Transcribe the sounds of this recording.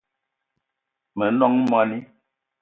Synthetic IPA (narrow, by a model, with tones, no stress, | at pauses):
mə˨˦nɔ˦ŋmɔ˦ni˦